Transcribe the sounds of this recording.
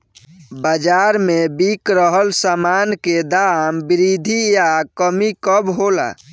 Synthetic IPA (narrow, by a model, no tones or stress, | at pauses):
bəd͡ʒaɾmebikɾəɦəlsamanked̪ambiɾid̪ʱijakəmikəbɦola̰